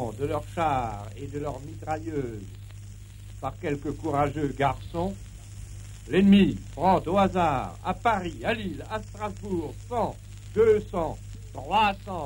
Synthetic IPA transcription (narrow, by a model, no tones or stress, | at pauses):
d̪əlœʁʃaʁed̪əlœʁmit̪ʁajøːz | paʁkʲɛlkəkuʁaʒøɡaʁsɔ̃ | lɛnmibʁɑ̃t̪oazaːʁa̰paʁialilast̪χazbuʁsɑ̃ | d̪øsɑ̃ | t̪χwasɑ̃